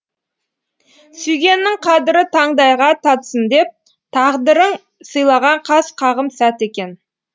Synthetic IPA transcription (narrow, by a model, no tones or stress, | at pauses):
sʏjɡʲe̞nːɪŋqʰɑd̪ɪɾɪt̪ʰɑɴd̪ɑjʁɑt̪ʰɑt̪sənd̪e̞p̚ | t̪ʰɑʁd̪əɾəɴ | səjlˠɑʁɑɴqʰɑsqʰɑʁəmsæt̪e̞kʲe̞n